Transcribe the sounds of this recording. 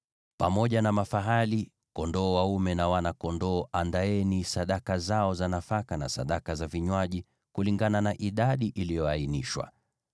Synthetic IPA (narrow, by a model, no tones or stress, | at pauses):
pamɔʄanamafaɦali | kɔndɔːwaumɛnawanakɔndɔːʔandaɛnisaɗakazaɔzanafakana̰sa̰ɗakazaviɲwaʄi | kuliŋɡananaʔiɗaɗiʔilijɔainiʃwa̰